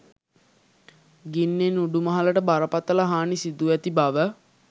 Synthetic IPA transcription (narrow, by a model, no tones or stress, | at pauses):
ɡinːenuɖumɐɦɐləʈəbaɾəpat̪ələɦaːnisid̪uæt̪ibaʋə